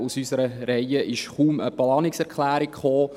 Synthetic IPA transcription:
usysəɾəɾɛjəʔɪʃχuːmə̰plɑːnɪksɛɾkχlæːɾɪkχoː

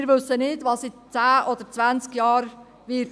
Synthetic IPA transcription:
ɪɾʋɵsənɪdʋɑsɪt͡sæːʔɔd̥̪əɾt͡sʋænt͡skjɑːɾ | ʋɪt

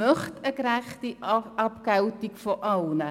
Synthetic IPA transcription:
əχtəkɾæχtiɐpkɐwtikfɔʔɐlˠnə

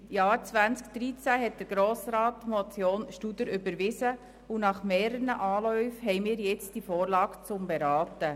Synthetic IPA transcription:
jɑːɾt͡sʋænt͡sk̚d̥ɾit͡sæɦɛt̚d̥əɾɡ̥ɾoːsɾɑːtmɔt͡sjoːnʃtud̪əɾʏbəɾʋɪsə | unɑχmɛːɾənəʔɑːlœʏfhɛɪmɪːɾjɛt͡std̥ifɔːɾlɑːɡ̥t͡sʊmbɛɾɑːtə

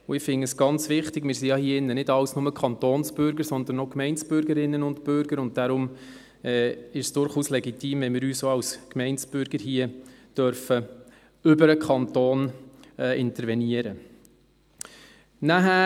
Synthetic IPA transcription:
ʊɪfɪnəsɡ̥ɑnt͡sʋɪχtɪɡmɪːɾsijɑhiəɪnːənɪdɑlsnʊməkʰχɑnt̪oːnsb̥ʏɾɡəɾsɔnd̪ənɔkmɛɪnt͡sb̥ʏɾɡəɾɪnːənʊntpʏɾɡəɾʊnt̚d̥aɾʊm | ɛːɪʃsd̥ʊɾχuːslɛɡitiːmvɛnmɪːɾyːsoɑlskmɛɪnsb̥ʏɾɡ̥əɾhiːəd̥œɾfə | ʏbəɾəkʰχɑntoːnɛʔɪntəɾʋɛniəɾə | næɦæ

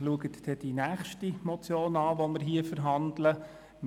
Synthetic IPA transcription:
luəɡət̪d̥ɛd̥inæːχʃtimɔt͡sjoːnɑːʋoməɾɦiəfəɾɦɑndlə | m

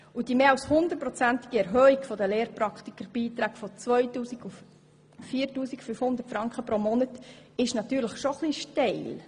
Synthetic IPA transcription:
ud̥imeːɑwshʊnd̪ət̚pɾɔt͡sænt̪ɪɡ̥iɛɾɦœːikfɔd̪əleːɾpɾɑkχt̪ikəɾb̥iːt̪ɾæːɡfɔt͡sʋœʏtuːsiɡuf | fiːrtuːsikfyfhʊnd̪ərtfɾɑŋkχəpɾomɔnətɪʃnɑt̪yːɾləχʃoχliʃteɪl

